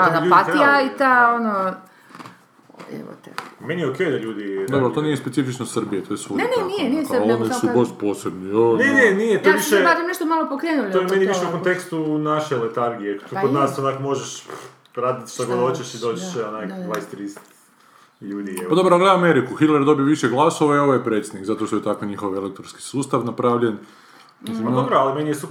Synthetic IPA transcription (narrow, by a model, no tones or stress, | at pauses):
aapat̪ijait̪aono | ɛ̰ʋo̰t̪ḛmenieokejd̪aʎuːd̪id̪obɾot̪onijespesifit͡ʃnosr̩bijet̪ojesunenenijenijeonisubost̪poːsebnijonnenenijet̪oiʃʃesat̪amneʃt̪omalopokɾeːnulojemenieiʃeukont̪ekst̪unaʃelet̪aɾɡijekt̪ukod̪naːsonaːkomoʒeʃ | ɾaːd̪it̪ʃt̪aɡlod̪ot͡ʃeʃid̪oːt͡ʃeʃeonajlajst̪ɾist̪ | ʎuːd̪iepad̪obɾoɡled̪ameɾikuxit̪lˠeɾd̪o̞bijoʋiʃeɡlˠasoʋaio̞ʋojepɾet̪sʲed̪nikzat̪oʃt̪oet̪akoɲixo̞ʋelek̚t̪onski̥suːst̪aʋnapɾaʋʎen | mad̪obɾoalimenijesup